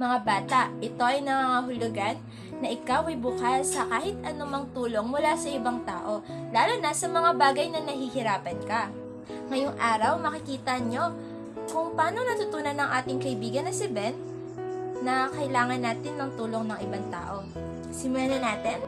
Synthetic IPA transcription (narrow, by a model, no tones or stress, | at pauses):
mɐŋabaːt̪ɐʔʔɪt̪o̞ʔɐjnɐŋaŋaɦʊlʊɡanː | ɐʔɪkawʔɐjbʊkasɐkaːhɪt̪̚ʔɐnʊmɐŋt̪uːlo̞ŋmʊlasɐʔɪbaŋt̪a̰ːʔo̞laːlʊnɐsɐmɐŋabaːɡɐjnɐnɐhihɪɾaːpɐnkɐ | ŋɐjoŋʔaːɾɐwmɐkɪkiːt̪ɐɲo̞ | kʊŋpɐaːno̞nɐt̪ʊt̪uːnɐnɐŋʔaːt̪ɪŋkɐʔɪbiːɡɐnːɐsɪbɛnt̪ | nɐkɐʔɪlaːŋɐnːaːt̪ɪnːɐŋt̪uːlo̞ŋnɐŋɪbaŋt̪a̰ːʔo̞ | sɪmʊlaːnɐnaːt̪ɛn